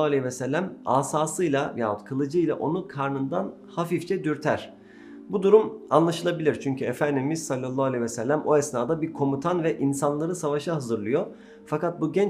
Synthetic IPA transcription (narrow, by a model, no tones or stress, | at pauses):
aalʲɛvɛsɛlʲːæma̰ːsaːsɯjlˠajaːut̪kʰɯlˠɯd͡ʒɯjlˠa̰ʔo̞nukʰaɾnɯnd̪an | hafift͡ʃʰɛd̪yɾt̪ʰæɾ̥ | bud̪uɾumanlˠaʃɯlˠabilʲiɾt͡ʃʰyɲcʰyefænd̪imiz̥salʲːalˠːaalʲevɛsɛlʲːæmo̞ɛsnaːd̪abiɾkʰo̞mut̪ʰanvɛʔinsanlˠaɾɯsavaʃaɦazɯɾlˠɯjo̞ | fakat̪̚buɟɛn